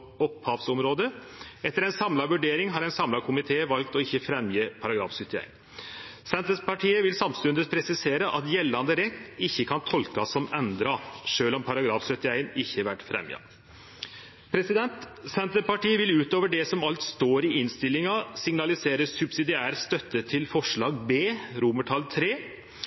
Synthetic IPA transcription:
ɔphɑːʋsɔmɾoːd̪ə | ɛt̪ːəɾɛɪnsɑmlɑʋʉɖeːɾɪŋɦɑɾɛɪnsɑmlɑkʰʊmɪt̪ʰeːʋɑlk̚t̪ɔɪçːəfɾɛmjiːpʰɑɾɑɡɾɑ̰ːfsœt̪ːɪæ̰ɪn | sɛnt̪əspɑʈʰiːəʋɪlsɑmst̪ʉnd̪ət̪pʰɾɛsɪseːɾəʔɑt̪jɛlːɑnd̪əɾɛtt̪ːɪçːəkʰɑnt̪ʰɔlkɑsɔmɛnd̪ɾɑʂøːlɔmpʰɑɾɑɡɾɑːfsœt̪ːɪæɪnɪçːəʋæʈːfɾɛ̰mjɪ̰ɑ̰ | pʰɾɛsɪd̪ɛnt̪sɛnt̪əpɑʈiːəʋɪlʉːt̪oːʋəɖɛsɔmɑlt̪st̪oːɾɪɪnst̪ɪlːɪŋɑsɪŋnɑlɪseːɾəsʉbsɪd̪ɪæːɾst̪œt̪ːət̪ʰɪlfɔʂɭɑːɡbeːɾuməʈʰɑlt̪ʰɾeː

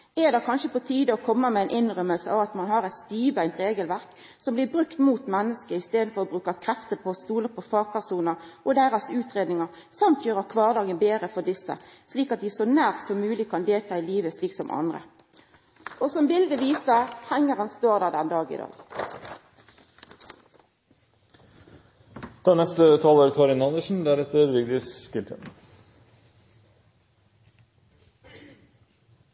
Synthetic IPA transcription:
ɛd̪ɛkʰɑnʃəpɔt̪ʰiːd̪ɔkʰɔmːəmɛɛɪnʔɪnʁœmːəlsəɑʋɑt̪mɑnhɑɾɛt̪st̪iːʋæɪnt̪ɾeːɡəlʋæʁk | sɔmblɪbʁʉkt̪muːt̪mɛnːəskəɪst̪eːd̪n̩fɔʁɔbʁʉːkɑkʰɾɛft̪əpʰɔst̪uːləpʰɔfɑːɡ̚pæʁsuːnəʁʔɔd̪æːʁɑsʉːt̪ʁeːd̪nɪŋəʁ | sɑmt̪jøːʁɑkʰʋɑːʁd̪ɑːɡənbeːɾəfɔʁd̪ɪsːə̰sliːkɑt̪̚d̪ɪsɔnæːʁt̪sɔmːʉːlɪkʰɑnd̪eːlt̪ʰɑːɪliːʋəsliːksɔmʔɑ̰nd̪ʁə̰ | ʔosɔmbɪld̪əʋiːsəhæŋːəʁɑnst̪oːʁd̪æːʁd̪ɛnd̪ɑːɡɪ̰d̪ɑ̰ːɡ | t̪ʰɑːnɛst̪ət̪ʰɑːloːɾkʰɑɾɪnɑnd̪əʂn̩d̪æɾɛt̪ʰəɾʋʏɡd̪ɪsspɪlt̪ʰən

